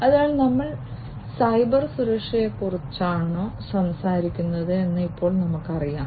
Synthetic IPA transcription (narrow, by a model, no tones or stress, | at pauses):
ɐðaːɭnɐmːɐɭ | sɐjbɐrsuɾɐkʂɐjekːurit͡ɕːaːɳoːsɐmsaːɾikʲːunːɐðɨe̞nːɨipːo̞ːɭnɐmukːɐrijaː